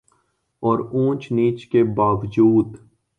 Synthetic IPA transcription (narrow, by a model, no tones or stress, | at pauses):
ɔːɾũːt͡ʃniːt͡ʃkebaːʋd͡ʒuːd̪